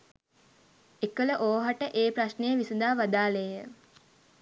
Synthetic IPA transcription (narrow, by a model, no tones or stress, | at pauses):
ekələʔoːɦaʈəʔeːpɾaʃnejəʋisud̪aːʋad̪aːlejə